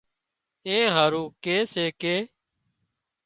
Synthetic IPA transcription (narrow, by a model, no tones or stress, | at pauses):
ẽːɦaːɾũːkeːseːkeː